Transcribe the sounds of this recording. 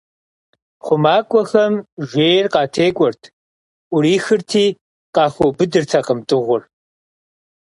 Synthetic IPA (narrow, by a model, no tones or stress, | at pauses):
χʷʊmaːkʷʼɔxɐmʒʷeːjrqɑːtʰeːkʷʼɔrtʰ | ʊɾiːxɨrtʰiː | qɑːxobɨdɨrtʰɐqəmtʼɨʁʷʊr